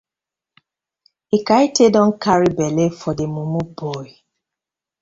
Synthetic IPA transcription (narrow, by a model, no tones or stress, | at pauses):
ikaitedɔŋ̩kaɾibelefɔdemumubɔi